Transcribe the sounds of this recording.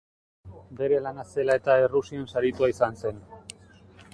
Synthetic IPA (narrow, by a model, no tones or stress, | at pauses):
be̞ɾe̞lanase̞lae̞t̪aerusionsaɾit̪uaisanse̞n